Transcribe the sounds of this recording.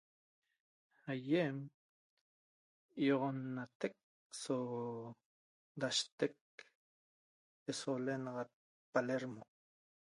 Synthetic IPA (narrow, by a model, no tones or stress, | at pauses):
ajem | joʁonːat̪ek̚ | so | d̪aʃt̪ek̚ | esolenɑʁɑt̪̚ | paleɾmo